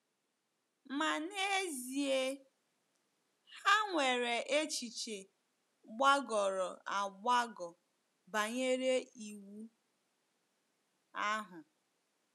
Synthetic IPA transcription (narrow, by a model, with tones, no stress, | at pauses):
ma˨ne˦zi˨e˦ | ha˦ŋʷe˨ɾe˨ʔe˦t͡ʃi˨t͡ʃe˨ | ɡ͡ba˦ɡɔ˨ɾɔ˨a˨ɡ͡ba˦ɡɔ˨ | ba˨ɲe˦ɾe˦i˨wu˦ | a˦ɦʊ˨